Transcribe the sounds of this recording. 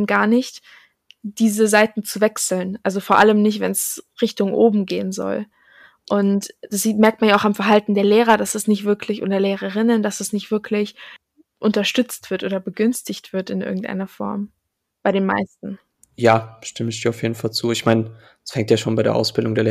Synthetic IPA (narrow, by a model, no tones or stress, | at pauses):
mɡaːɐnɪçt | d̥iːzəzaɪtn̩t͡suvɛksl̩nʔalzofoːɐʔaləmnɪçtv̥ɛnsʁɪçtʊŋʔoːbm̩ɡeːənzɔ̰l | ʔʊntd̥asz̥iːtmɛɐk̚tmanjaaʊxamfɛɐɦaltn̩deːɐleːʁɐdasɛsnɪçtv̥ɪɐkʰlɪçʔo̰ːdɐleːʁ̞əʁ̞ɪnənd̥asd̥asnɪçtv̥ɪɐkʰlɪç | ʔʊntɐʃtʏt͡stv̥ɪɐtʔoːdɐbəɡʏnstɪçtv̥ɪɐtɪnʔɪ̰ɐɡŋ̩tʔa̰ɪnɐfɔ̰ɐm | b̥aɪɾeːnma̰ɪstn̩ | jaːʃtɪməɪçd̥iːɐaʊfjeːdn̩falt͡suːɪçmaɪn̥ | asfɛŋtjaːʃoːnbaɪḛɐʔa̰ʊsb̥ɪldʊŋdeːɐle